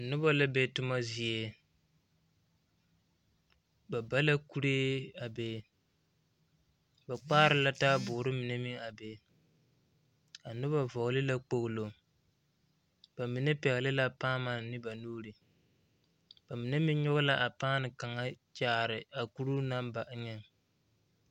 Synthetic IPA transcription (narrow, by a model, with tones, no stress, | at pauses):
a˨nʊ˦ba˦la˦be˦tʊ˦ma˦zi˨e˦ | ba˨ba˦la˦ku˦ɾeː˦a˨be˦ | ba˨k͡paː˦ɾɪ˦la˦taː˦bʊː˨ɾɨ˦mi˨nɛ˦mi˦a˨be˨˦ | a˨nʊ˦ba˨vɔ˨ɣlɪ˦la˦k͡po˨ɣlo˨ | ba˨mi˨ne˦pɛ˨ɣɪ˨lɪ˦la˦paː˦ma˨nɪ˦ba˨nuː˦ɾɨ˨ | b̥a˨mi˨ne˦mɪ˦ɲʊ˦ɣʊ˦la˦ʔa˨paː˦nɪ˨ka˨ŋa˦t͡ʃaː˦ɾɪ˨a˨ku˦ɾu˦na˦mba˨ʔɲɛ˦ŋ